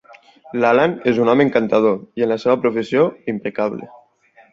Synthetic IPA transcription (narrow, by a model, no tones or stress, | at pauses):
lalanezunɔmeŋkant̪að̞oienlaseβapɾufesioimpekaβlḛ